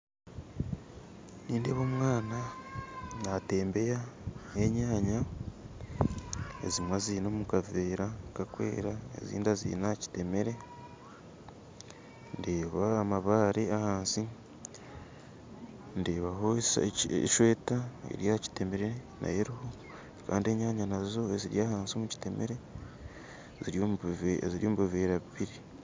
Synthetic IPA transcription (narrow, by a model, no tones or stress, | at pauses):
niːnde̞ːβo̞ːmŋaːna | nate̞ːmbe̞jaeɲaːɲa | ḛzimwazinoːmukaveːɾakakwḛːɾaḛzḭːndazḭnaci̥te̞me̞ɾe̞ | ndeːβaːmaβaːɾeahaːnsi | ndeːβaɦo | ʃwe̞ːtaḛɾjaci̥te̞meɾena̰jeɾiho̞ | ka̰ːndie̞ɲaːɲanazo̞eziɾijaːhaːnsiomuci̥te̞meɾe | zioziɾjomuβiveːɾaβiβiɾi